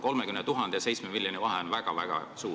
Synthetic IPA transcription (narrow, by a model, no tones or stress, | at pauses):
ko̞lmekymnɛt̪uɦɑnd̪ejɑsejt̪smemilʲjonivɑɦeonvæɡ̥ɑvæ̰ɡ̥ɑ̰suː